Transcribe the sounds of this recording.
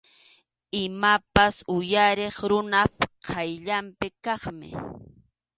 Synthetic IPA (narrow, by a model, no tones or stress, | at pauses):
ɪmapasʊjaɾeχɾʊnapqʰɑjʎampɪkɑχmɪ̰